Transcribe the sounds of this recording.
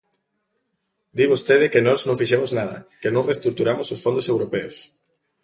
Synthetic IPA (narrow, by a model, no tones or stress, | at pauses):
d̪iβost̪eð̞ɪkenɔznõŋfiʃemʊznaðɐ̰kenõŋrest̪ɾuk̚t̪uɾamʊsosfond̪osewɾopeos